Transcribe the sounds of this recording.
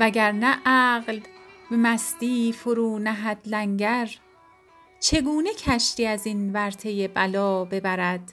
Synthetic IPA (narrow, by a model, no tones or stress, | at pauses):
væɟæɾnæʔæɢlbemæsd̪̥iːfoɾuːnæɦæd̪læŋɟæɾ | t͡ʃʰe̞ɡuːnecʰæʃt̪iːæzinvæɾt̪ʰe̞jebælɒːbe̞bæɾæd̪̥